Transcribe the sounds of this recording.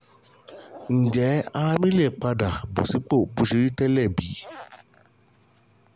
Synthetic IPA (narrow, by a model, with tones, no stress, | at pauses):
n̩˨d͡ʒɛ˨˦a˧a˧mĩ˦le˦˨k͡pa˧da˨bo̰˨si˨˦k͡po˦˨bu˨˧ʃe˧ɾi˦tɛ˦lɛ˦˨bi˨˦